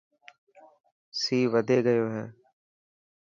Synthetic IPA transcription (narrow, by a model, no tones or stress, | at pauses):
siːʋəd̪ʱeːɡəjoːɦɛː